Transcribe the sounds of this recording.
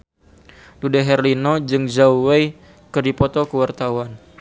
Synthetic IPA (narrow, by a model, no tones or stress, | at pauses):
dudɛɦɛrlinɔd͡ʒɨŋd͡ʒauwɛj | kərdipɔt̪ɔkəwart̪awan